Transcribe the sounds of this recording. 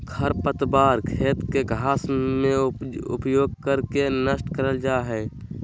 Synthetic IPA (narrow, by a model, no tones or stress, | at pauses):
kʰəɾpət̪baːɾkʰeːt̪keɡʱaːsmẽʊ̰pjoːɡ̚kəɾkenəsʈkəɾəld͡ʒaːɦɛː